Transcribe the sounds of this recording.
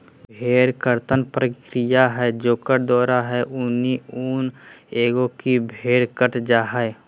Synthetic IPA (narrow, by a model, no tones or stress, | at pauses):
bʱeːɾkəɾt̪ənpɾəkɾijaɦɛd͡ʒoːkəɾd̪ɔːɾaɦɛʔʊniuːneːɡõkibʱeːɾkəʈd͡ʒaːɦa